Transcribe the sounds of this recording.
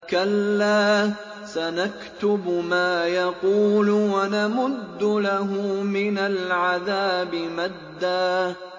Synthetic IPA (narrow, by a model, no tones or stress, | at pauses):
kalːaː | sanakt̪ʊbmaːjɑquːlʊwanamʊd̪ːʊlaɦʊmɪnalʕaðaːbɪmad̪ːaː